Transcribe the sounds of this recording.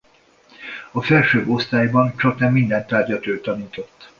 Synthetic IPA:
ɒfɛlʃøːbo̞st̪aːjbɒnt͡ʃɒk̚nɛmːind̪ɛnt̪aːrɟɒt̪øːt̪ɒniːt̪o̞t̪ː

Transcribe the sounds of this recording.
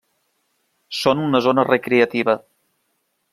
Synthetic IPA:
sonunəzonərekɾeət̪iβə

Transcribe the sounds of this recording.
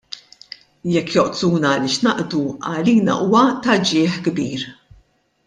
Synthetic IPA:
jɛkːjɔʔt̪uːnɐːlɪːʃnɐʔd̪uɐ̰liːnɐ̰ʔuːwɐt̪ɐd͡ʒɪːħɡbḭːɾ

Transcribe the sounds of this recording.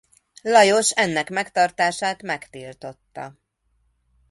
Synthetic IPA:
lɒjo̞ʃɛnːɛkmɛkt̪ɒrt̪aːʃaːt̪mɛkt̪ilt̪o̞t̪ːɒ̰

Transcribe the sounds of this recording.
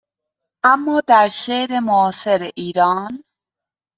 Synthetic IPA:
ʔæmːɒːd̪æɾʃeɾemoːseɾeʔiːɾɒːn

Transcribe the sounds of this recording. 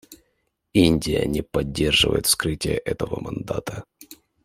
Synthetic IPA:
inʲdʲɪjə̰nʲɪpɐdʲːe̞rʐɨvə̰jɪt̪fskɾɨtʲɪjəʔɛt̪əvəmɐnd̪at̪ə

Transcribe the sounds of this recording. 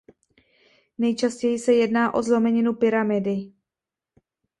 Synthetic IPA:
nɛjt͡ʃascɛjɪsɛjɛdnaːʔo̞zlo̞mɛɲɪnupɪɾamɪdɪ

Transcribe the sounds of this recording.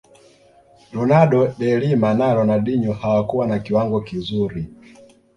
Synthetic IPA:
lɔnaɗɔɗɛlimanalɔnaɗiɲɔhawakuwanakiwaŋɡɔkizuɾi

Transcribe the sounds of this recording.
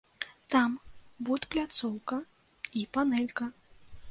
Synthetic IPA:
t̪ambut̪plʲat̪sɔwkɐ | ipanɛlʲkɐ

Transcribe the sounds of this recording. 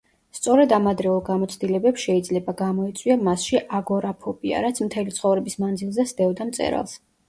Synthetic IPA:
st̪sʼɔɾɛd̪amad̪ɾɛulˠɡamɔt̪sʰd̪ilɛbɛpsʃɛid̪zlɛbaɡamɔit̪sʼwiamasʃiʔaɡɔɾapʰɔbʼia̰ɾat̪sʰmt̪ʰɛlit̪sʰχɔvɾɛbismand̪zilˠzɛsd̪ɛɔd̪amt̪sʼɛ̰ɾa̰lˠs

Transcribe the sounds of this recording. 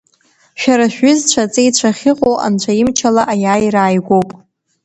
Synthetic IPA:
ʃᶣaɾaʃᶣʏzt͡ɕʷʰat͡sʼejt͡ɕʷʰaχʲɪqʼowʔa̰nt͡ɕʷʰaimt͡ʃʰalaʔajaːjraːjɡʷo̞wpʼ

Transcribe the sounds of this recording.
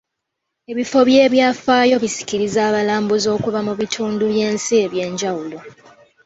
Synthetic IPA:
e̞βifo̞βje̞ːβjaːfaːjo̞βisi̥kiɾizaːβalaːmbuzo̞ːkuβamuβitʰuːnduβje̞ːnsie̞βje̞ːɲɟawulo̞

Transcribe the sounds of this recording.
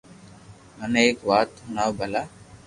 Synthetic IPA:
məneːkʋaːt̪ɦʊnaːʋbʱəlaː

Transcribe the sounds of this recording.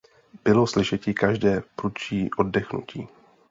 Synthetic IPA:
b̥ɪloslɪʃɛcɪkaʒdɛːpɾut͡ʃiːʔoddɛxnṵcʰiː

